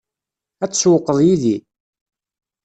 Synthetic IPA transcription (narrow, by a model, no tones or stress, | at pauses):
æt͡sːswəqːəðˤjiði